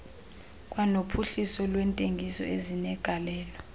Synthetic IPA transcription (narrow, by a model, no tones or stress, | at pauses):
k̬ʼwanopʰuɬisɔlwɛntʼeŋɡʱisɔ̰ezinɛɡ̥ʱalɛːlɔ